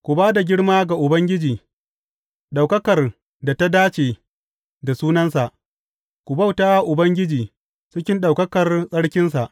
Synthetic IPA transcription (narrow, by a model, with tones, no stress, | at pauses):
kʷu˨baː˦da˨ɡʲɪ˦ɽmaː˦ɡa˨ʔʊ˨bɐ˦ŋɡʲɪ˦d͡ʒiː˨ | ɗa˨wkɐ˦kɐ˨r | da˨ta˦daː˦t͡ʃeː˨ | da˨suː˦nɐ˦nsa˨ʔ | kʷu˨ba˦˨wtaː˦ʔʊ˨bɐ˦ŋɡʲɪ˦d͡ʒiː˨ | t͡ʃɪ˦kʲɪ˦nɗa˨wkɐ˦kɐ˨rsʼɐ˦ɽkʲɪ˦ns̬a˨ʔ